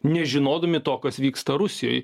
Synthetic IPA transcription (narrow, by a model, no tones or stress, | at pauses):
nʲɛʒʲɪnoːd̪ɐmʲɪt̪oːkɐsʋʲiːkst̪ɐɾʊsʲɪjo̰ːj